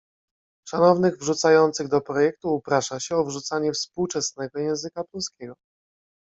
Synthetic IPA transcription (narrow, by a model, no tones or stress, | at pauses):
ʂanɔvnɘɣvʐut̪sajɔnt̪sɘɣd̪ɔpɾɔjɛk̚t̪uːpɾaʂaɕɛɔvʐut̪saɲɛfspuwt͡ʂɛsnɛɡɔjɛ̃w̃zɘkapɔlskʲɛɡɔ